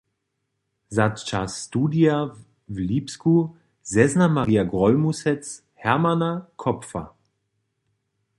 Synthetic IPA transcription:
zatt͡ʃasːt̪uːdija | vliːpsku | zɛznamaʁijaɡʁɔlmusɛt͡s | hɛmanakʰɔpfa̰

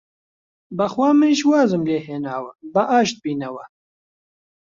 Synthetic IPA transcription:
bɐxwaːmeʃwaːzɨmleːɦeːnaːwəbɐʔaːʃt̪̚biːnɐwɐ

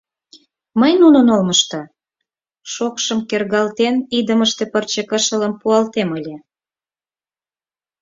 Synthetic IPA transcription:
məjnunənolməʃt̪o | ʃokʃəmkerɣɑlt̪enid̪əməʃt̪epərt͡ɕekəʃələmpuɑlt̪eməlʲe

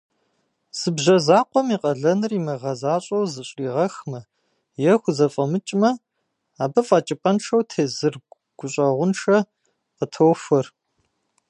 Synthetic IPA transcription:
z̥ɨbʑɐzaːqʷɔmiːqɐɮɐnɨrimɐʁɐzaːɕʼɐwzɨɕʼiːʁɐxmɐ | jɛxʷʊzɐfʼɐmɨt͡ʃʼmɐ | aːbɐfʼɐt͡ʃʼɪpʼɐnʂɐwtʰeːzɨr | ɡ̥ʷʊɕʼɐʁʷʊnʂɐ | qətʰowfɐr

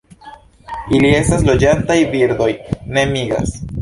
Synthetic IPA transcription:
ilie̞staslo̞d͡ʒantajbiɾd̪o̞jne̞miɡa̰s

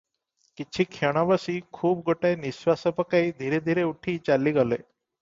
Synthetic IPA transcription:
kit͡ʃʰiːkʰeɽ̃ãʋəsiːkʰuːp̚ɡʱoʈajnisʋasəpəkaid̪ʱiɾed̪ʱiɾeuʈʰiːt͡ɕalːiːɡəle

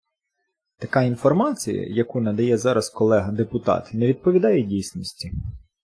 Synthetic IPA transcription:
t̪ɐkɑinfɔrmɑt͡sʲḭjɐ̰jɐkunɐd̪ɐjɛzɑɾɐskɔlˠɛɦɐd̪epʊt̪ɑ̰t̪nɛʋʲid̪̚pɔʋʲid̪ɑjɛdʲijsʲnʲɔsʲtʲi

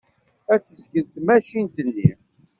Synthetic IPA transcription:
æt͡sːəzɡəðt̪mæʃint̪əlːḭ

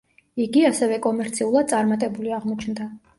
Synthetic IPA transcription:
iɡiasɛvɛkʼɔmɛɾt̪sʰiulˠad̪̚t̪ʼaɾmat̪ʼɛbuliaʁmɔt͡ʃʰnd̪a

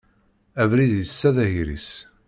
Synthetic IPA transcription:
ævɾiðjəsːæðæɦiɾḭs

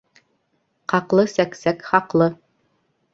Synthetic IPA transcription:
qɑqlˠɤsæksækχɑqlˠɤ

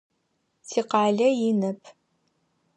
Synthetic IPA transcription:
tʰiːqɑːɮɐjɪnɐpʰ

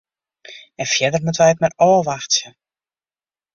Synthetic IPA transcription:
ɛnfjɛdərmutəʋɛjətmɛtɔːʋaxtjə

